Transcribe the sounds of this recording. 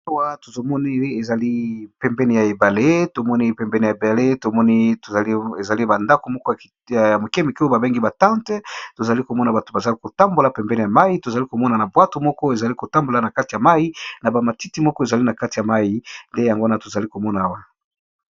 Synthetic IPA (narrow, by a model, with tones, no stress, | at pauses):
a˦wa˦to˨zo˨mɔ˦ni˦e˨za˨li˦pɛ˨mbɛ˦ni˨ja˨e˨ba˨le˦to˨mɔ˦ni˦pɛ˨mbɛ˦ni˨ja˨e˨ba˨le˦to˨mɔ˦ni˦to˨za˨li˦e˨za˨li˦ba˨nda˦ko˨mɔ˦kɔ˦ja˨ | ja˨mo˨kɛ˦mi˨ki˦o˦ba˨be˦ŋɡi˦ba˨tã˦ntɛ˦to˨za˨li˦ko˨mɔ˦na˨ba˨to˨ba˨za˨li˦ko˨ta˦mbo˨la˨pɛ˨mbɛ˦ni˨ja˨ma˦ji˦to˨za˨li˦ko˨mɔ˦na˨na˨bwa˦to˨mɔ˦kɔ˦e˨za˨li˦ko˨ta˦mbo˨la˨˦na˨ka˦ti˨a˨ma˦ji˦na˨ba˨ma˨ti˦ti˦mɔ˦kɔ˦e˨za˨li˦na˨ka˦ti˨ja˨ma˦ji˦nde˦ja˨ŋɡo˦na˦to˨za˨li˦ko˨mɔ˦na˨a˦wa˦